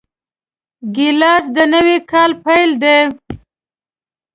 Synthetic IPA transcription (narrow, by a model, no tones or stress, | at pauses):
ɡɪlɑs̬d̪ənəwikɑlpajld̪e